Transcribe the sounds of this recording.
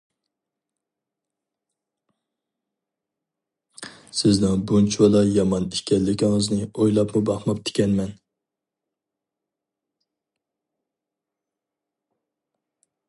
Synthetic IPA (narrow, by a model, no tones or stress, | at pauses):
sɪznɪŋbunt͡ʃʰwɑlˠɑjɑmɑnikʲɛlːɪkʲʰɪŋɨznɪojlˠɑpmubɑχmɑp̚t̪ʰɪ̥kʲʰɛnmɛn